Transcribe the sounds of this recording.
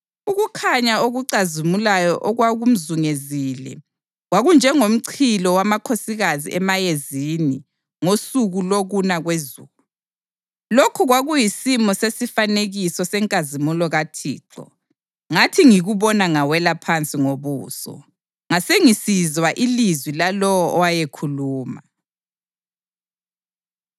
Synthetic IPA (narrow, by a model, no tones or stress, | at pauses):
uɣukʰaɲaoɣuǀazimulajɔʔɔɣwaɣum̩zuŋezilɛ̰ | ɣwaɣund͡ʒʱɛŋom̩ǀʰilɔwamakʰosiɣazḭɛmajezini | ŋosuɣuloɣunaɣwezuːlu | lokʰuɣwaɣujisimɔsesifaneɣisɔsɛŋkʼazimulɔɣatʰḭːǁɔ̰ | ŋatʰiŋiɣuβɔnaŋawɛlapʰant͡sʼiŋoβṵːsɔ̰ | ŋaseŋisizwaʔilizwilalɔwɔʔɔwajekʰuluːma